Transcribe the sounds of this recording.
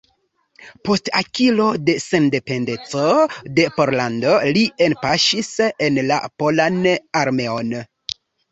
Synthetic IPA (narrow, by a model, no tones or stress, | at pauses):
po̞stakilo̞de̞se̞nde̞pe̞nde̞t͡so̞de̞po̞ɾlando̞lienpaʃise̞nla̰po̞lanaɾme̞on